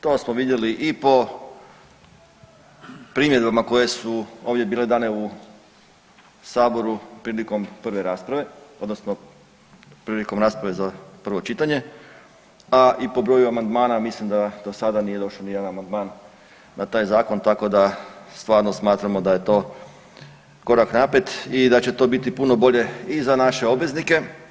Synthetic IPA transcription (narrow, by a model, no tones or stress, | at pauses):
t̪o̞ːsmoʋid̪jeliʔipo̞ | pɾiːmjed̪bamako̞je̞suo̞ːʋd̪ʲje̞biːle̞d̪aːne̞u | saːbo̞ɾupɾiːliko̞mpr̩ʋe̞ɾaːspɾaʋe̞o̞d̪nosno | pɾiːliko̞mɾaːspɾaʋe̞zapr̩ʋo̞t͡ʃit̪aɲe̞ | aʔipo̞bɾoːjuamand̪maːnamislimd̪ad̪o̞sad̪anije̞d̪o̞ʃonijed̪anamand̪maːnː | at̪aːjzaːko̞nt̪ako̞d̪ast̪ʋaːɾno̞smaːt̪ɾamo̞d̪aje̞t̪o̞ː | ko̞ɾaknapɾet̪id̪at͡ɕe̞t̪o̞ːbit̪ipuno̞bo̞ʎe̞izanaʃe̞o̞bʋe̞znike̞